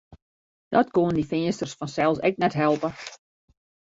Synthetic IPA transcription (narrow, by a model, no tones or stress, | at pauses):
d̥ɔtkoəndifɪənstərsfɔnsɛlˠsɛk̚nɛtɦɛlˠpə